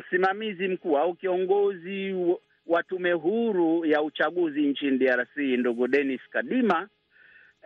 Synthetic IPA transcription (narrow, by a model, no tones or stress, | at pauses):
m̩simamizim̩kuaukiɔŋɡɔzi | watumɛɦuɾujaut͡ʃaɠuziɲt͡ʃiniɗiaɾasinduɡuɗɛniskaɗima